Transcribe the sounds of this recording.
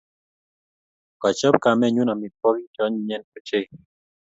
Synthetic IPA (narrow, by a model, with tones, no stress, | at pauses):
kɔ˨t͡ʃɔ˦p̚ka˨mɛ˦˨ɲu˦na˨mɪ˨pɔ˦ɡi˦t͡ʃɔ˦ɲɲɛ˦nko˨t͡ʃe˦